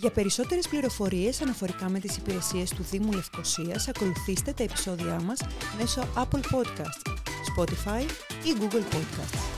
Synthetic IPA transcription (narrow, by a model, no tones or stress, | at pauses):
ʝɐpe̞ɾiso̞t̪e̞ɾe̞spliɾo̞fo̞ɾie̞sɐnɐfo̞ɾikɐme̞t̪isipiɾe̞sie̞st̪uðimule̞fkosiɐsɐko̞luθist̪e̞t̪ɐepi̥so̞ðiɐmɐsme̞so̞ʔɐplpo̞d̪kɐst̪spo̞t̪ifɐjiɡuɡlpo̞d̪kɐ̰st̪